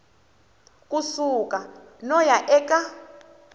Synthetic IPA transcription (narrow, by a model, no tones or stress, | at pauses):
kʼusukʼa | nɔjaʔɛkʼa